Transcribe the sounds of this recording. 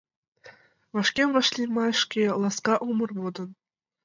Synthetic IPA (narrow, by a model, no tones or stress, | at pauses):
ʋɤ̆ʂkʲemʲʋɤ̆ʃlʲimɑ̆ʂkʲelˠɑskɑʔumɤ̆rbud̪ɤ̆n